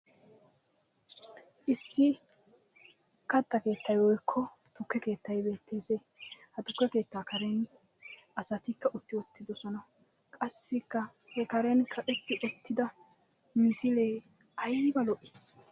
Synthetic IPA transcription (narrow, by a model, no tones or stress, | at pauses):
ʔɪsːɪ | kɐt̪ːɐke̞ːt̪ːɐjwɔjkʰːɔ | t̪ʊkːɛke̞ːt̪ːɐjbe̞ːt̪ʰːeːseː | hɐt̪ʊkːɛke̞ːt̪ːaːkɐɾɛn | ɐsɐt̪ɪkːɐʔʊt̪ːɪɔt̪ːɪd̪ɔsɔnɐ | kʼɐsːɪkːɐ | hɛkɐɾɛnkʰɐkʼɛt̪ːɪʔɔt̪ːɪd̪ɐ | mɪsɪleː | ɐjbɐlɔʔɪ̥